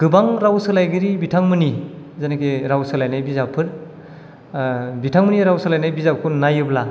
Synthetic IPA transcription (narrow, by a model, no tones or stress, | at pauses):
ɡ̥ɯbaŋɾawsɯlajɡɯɾibitʰaŋmɯni | zanakeɾawsɯlajnajbizapʰɯɾ | bitʰaŋmɯniɾawsalajnajbizap̚kʰunajɯbla